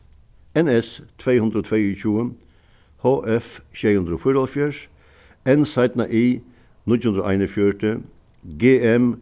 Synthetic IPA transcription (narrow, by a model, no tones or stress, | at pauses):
ɛnɛst̪ʰʋeːhʉnd̪ɾəoːt̪ʰʋeːyçuːə | hoːʔɛfʃɛːhʉnd̪ɾoːfyɾɔlfjæʂ | ɛnsaɪt̪naʔiː | nʏt̪hʉnd̪ɾəo̰ʔaɪnəfjœʈə | ɡeːɛm